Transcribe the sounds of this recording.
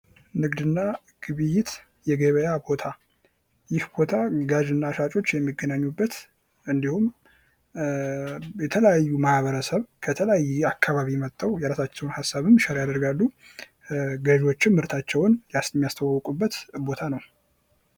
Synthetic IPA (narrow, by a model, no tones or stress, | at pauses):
nɨɡd̪ɨnːa | ɡ̥ɨβɨjːɪt̪ | jɛɡeβəjabo̞t̪ʰa | jɪhbo̞t̪ʰaɡaʒɨnːaʃat͡ʃʼo̞t͡ʃːjɛmːiɡənaɲːubːət̪ | ɨnd̪ihum | jɛt̪ʰələjajːumahβəɾəsəβkʰət̪ʰələjajːakʰːaβaβimət̪ʼːawjɛɾasat͡ʃːɛwnhasːaβɨmʃəɾjad̪əɾɡalːu | ɡəʒo̞t͡ʃːɪmmɨɾt̪ʰat͡ʃːɛwʊnjasmːijast̪ʰəwawɔkʼubːət̪bo̞t̪ʰanəw